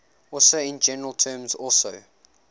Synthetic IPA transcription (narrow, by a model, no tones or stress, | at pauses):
ɔlsəɪ̃nd͡ʒɛnəɹəlˠtʰɜːmzɔlˠsoʊ